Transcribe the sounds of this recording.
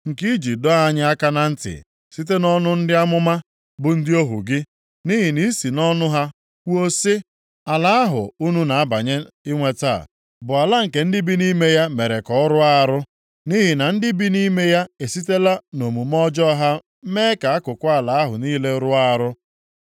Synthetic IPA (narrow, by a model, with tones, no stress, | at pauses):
ŋ̩˨ki˦d͡ʒi˨dɔ˦a˨ɲɪ˦a˦ka˦na˨n̩˦tɪ̰˨ | si˦t̬e˦nɔ˦nʊ˦n̩˦dɪ˦a˦mʊ˦ma˦ | bʊ˨n̩˦dɪ˦o˦ɦṵ˨ɡɪ˦ | ni˦ɦi˨ni˦si˨nɔ˦nʊ˦ɦa˦ | kʷu˦o˦se˦ | a˨la˦a˦ɦʊ̰˨u˦nu˦na˨a˦ba˨ɲe˦ | ɪ˦ŋʷe˨ta̰˦˨ | bʊ˨a˨la˦ŋ̩˨ke˨n̩˦dɪ˦bi˦ni˦me˦ja˦me˨ɾe˨kɔ˨˦ɔ˦ɾʊ˦a˦˨˦ɾʊ˦ | ni˦ɦi˨na˨n̩˦dɪ˦bi˦ni˦me˦ja˦e˨si˦te˦la˦no˨mu˨m˦ɔ˦d͡ʒɔ˦ɦa˦ | meː˦ka˨a˦kʊ˨kʷʊ˦a˦˨la˨a˦ɦʊ̰˨niː˦le˦ɾʊ˦a˦ɾʊ˦